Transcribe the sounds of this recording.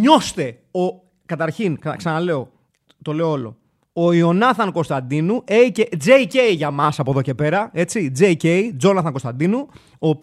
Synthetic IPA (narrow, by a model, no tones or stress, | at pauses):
ɲo̞st̪e̞ | o | kɐt̪ɐɾçinkksɐnɐle̞o̞ | t̪o̞le̞oolo̞̰ | oio̞nɐθɐŋko̞st̪ɐnd̪inueice̞d͡zeceiʝɐmɐsɐpo̞ðo̞ce̞pe̞ɾɐe̞t͡sid͡zejceid͡zo̞nɐθɐŋko̞st̪ɐnd̪inu | oːp